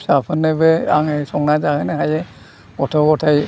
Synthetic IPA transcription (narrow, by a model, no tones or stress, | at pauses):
sapʰɔnːɛbɛaŋɛsɔŋnad͡ʒahanɛɦajɛ | ɔtʰɔɡɔtʰaj